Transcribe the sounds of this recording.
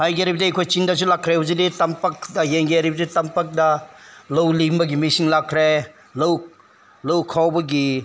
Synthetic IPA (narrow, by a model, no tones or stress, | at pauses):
hajɡiɾibɐdiejkʰojt͡ʃindɐs̬ulakʰːɾehɐwziditɐmpɐk̚dɐjeŋɡeaɾibɐditɐmpɐk̚dɐlowlimbɐɡimisiŋlakʰːɾe | low | lɐwkʰawbɐɡi